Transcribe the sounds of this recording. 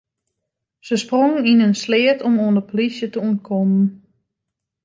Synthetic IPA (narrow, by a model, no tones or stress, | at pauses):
səsproŋəninənslɪətʰɔmoəndəpolisjətəunkʰɔmən